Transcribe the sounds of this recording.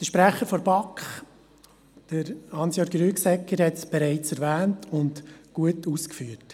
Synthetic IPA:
d̥əʃpɾæχəɾfɔɾbɑkχ | d̥əɾhɑnsjoɾɡɾyːksɛkːəɾhɛtsb̥ɛɾɛɪt͡sɛɾʋæːntʰʊndɡ̥uətuskfyːəɾt

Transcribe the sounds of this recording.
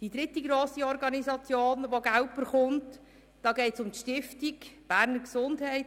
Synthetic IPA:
d̥id̪ɾɪtːiɡɾoːsiɔɾɡɑnizɑt͡sjoːnʋoɡæʊp̚bəɾχʊnt | d̥ɑːɡɛɪtsʊmtʃtɪftikb̥æːɾnəɾksʊndhɛɪt

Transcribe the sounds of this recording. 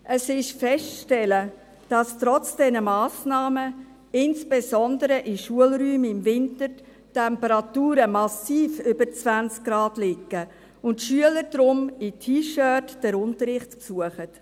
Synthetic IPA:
ʔəsɪʃfɛsʃtɛlə | d̥ɑstɾɔt͡sd̥ɛnəmɑːsnɑːmə | ɪnsb̥ezɔndəɾəʔɪʃuəlɾyːmɪmvɪntəɾ | tɛmpəɾɑtuːɾəmɑsiːfʏbəɾt͡svænt͡sk̚ɡ̥ɾɑːdlɪkːə | ʊntʃyələɾd̥ɾʊmitʰiːʃœːtːd̥ɛɾʊntəɾɪχtpsuəχət

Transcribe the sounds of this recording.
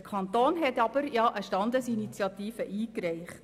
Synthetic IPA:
əkʰɑnt̪oːnɦɛtɑb̥əɾjɑʔəʃtɑnd̪əsinit͡sjɑt̪iːfəʔiːkɾɛɪχt

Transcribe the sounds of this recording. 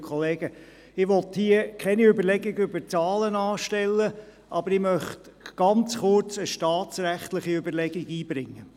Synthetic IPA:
kʰχɔleːɡ̥ə | ɪʋɔt̪hiəkʰɛniøbəɾlɛɡɪɡʏbət͡sɑːlənɑːʃtɛlːə | ʔɑbəɾɪmœχtɡ̥ɑnt͡sχʊrt͡səʃtɑːt͡sɾæχt̪lɪχiøbəlɛɡɪɡiːb̥ɾɪŋːə

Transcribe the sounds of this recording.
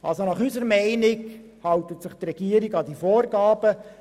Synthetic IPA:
ʔɑ̰lsonɑχysəɾmɛɪnɪɡ | hɑwt̪ətsɪχt̪rɛɡ̥iːəɾiɡɑdifoːrɡɑːb̥ə

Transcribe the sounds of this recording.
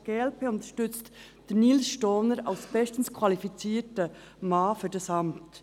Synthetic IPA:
ɡ̥eɛlpʰeʊntə̥ʃtʏt͡st | d̥ɛniːlsʃtɔnəɾa̰ʊsb̥ɛstən̩skʰwɑlifit͡siːtə | mɑːfyːɾdɑsɑmt

